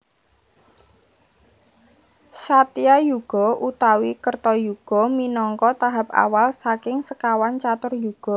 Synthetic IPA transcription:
sat̪iajuɡ̥ɔ̤ʔut̪awikərt̪ɔjuɡ̥ɔ̤minɔŋkɔt̪aɦap̚a̰walsakɪŋsəkawant͡ʃat̪ʊrjuɡ̥ɔ̤

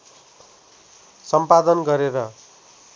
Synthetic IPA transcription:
sʌmpad̪ʌnɡʌɾeɾʌ

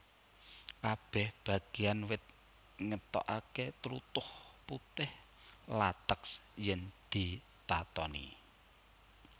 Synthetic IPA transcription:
kab̥ɛ̤hb̥ä̤ɡ̥eanwɪt̪̚ | ŋət̪ɔ̰ʔaket̪əɾut̪ʊhput̪ɪh | lat̪əksjɛŋd̪̥i̤ | t̪at̪ɔnḭ

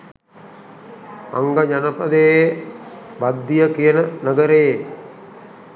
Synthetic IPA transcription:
a̰ŋɡad͡ʒanəpɐd̪ej | bad̪ːijəkijənənəɡəɾeje

